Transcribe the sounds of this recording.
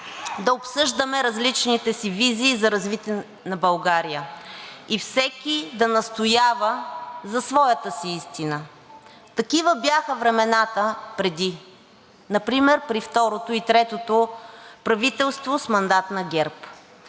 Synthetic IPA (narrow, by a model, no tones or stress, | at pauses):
d̪ɐopsɤʒd̪əmɛɾɐzlit͡ʃnit̪ɛsiviziːzɐɾɐzvit̪ɛ | nɐbɐlˠɡaɾijəifsɛkid̪ɐnɐst̪ʊjavəzɐsvɔjɐt̪əsiist̪inə | t̪ɐkivəbjaxəvɾɛmɛnat̪əpɾɛd̪i | nɐpɾimɛɾpɾift̪ɔɾot̪oit̪ɾɛt̪ot̪opɾɐvit̪ɛlˠst̪vosmɐnd̪at̪nɐɡɛɾp